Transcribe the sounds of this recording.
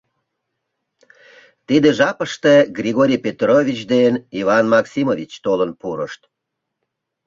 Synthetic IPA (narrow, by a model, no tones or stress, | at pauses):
t̪id̪eʒɑpəʃt̪eɡrʲiɣoɾʲijpet̪rovʲit͡ɕd̪enivɑnmɑksimovʲit͡ɕt̪olənpuɾə̰ʃt̪